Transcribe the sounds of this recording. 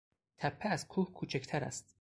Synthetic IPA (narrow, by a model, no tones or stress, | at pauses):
t̪ʰæpʰːeæzkʰuːhkʰuːt͡ʃʰect̪ʰæɾæ̰st̪